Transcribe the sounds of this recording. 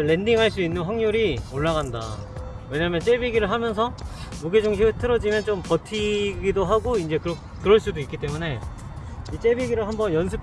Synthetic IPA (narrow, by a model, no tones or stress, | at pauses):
ɭːe̞ndiŋɦaɭs͈uinːɯnwaŋɲoɾioɭːaɣanda̰we̞ɲamjʌnt͡ɕ͈ebiɡiɾɯɭɦamjʌnsʰʌmuɡid͡ʑoŋɕʰiɯtʰɯɾʌd͡ʑimjʌnt͡ɕompʌtʰiɡidoɦaɡoind͡ʑe̞kɯɾʌ | k͈ɯɾʌɭs͈udoik͈ːit͈e̞mune̞ | it͡ɕ͈e̞biɡiɾɯɭɦambʌnjʌns̬ʰɯp̚